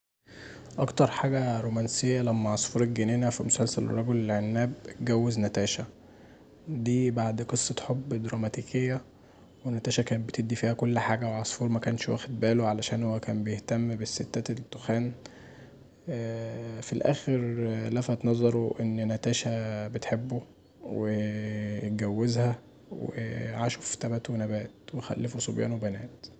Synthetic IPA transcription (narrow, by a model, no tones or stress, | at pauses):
ʔɑkt̪ɑɾˤħaːɡæɾoːmænsejːælæmːæʕɑsˤfuːɾelɡeneːnæfimosælsælḛrˤːɑɡolelʕenːæːb̚ɡæwːeznæt̪æːʃæ | d̪iːbaʕd̪qesˤːɑt̪ħobːd̪ɾˤɑmæt̪iːkejːæ | wenæt̪æːʃækæːnbet̪ed̪ːifiːhækolːħaːɡæwʕɑsˤfuːɾmækæːnʃwæ̰ːxed̪̚bæːloʕalæʃæːnhowːækæːmbejeht̪æmːbeset̪ːæt̪ed̪ːoxæːn | filʔæ̰ːxeɾlæfæt̪nɑzˤɑɾˤoʔenːnæt̪æːʃæbet̪ħebːo | wej̪̚ɡæwːezhæ | wḛʕaʃoft̪æbæːt̪wenæbæːt̪wexæ̰lːefosobjæ̰ːnwebænæːt̪